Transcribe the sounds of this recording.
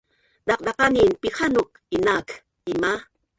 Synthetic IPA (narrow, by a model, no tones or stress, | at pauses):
d̪ɑq̚d̪ɑqaninpixanok̚ | inak | ima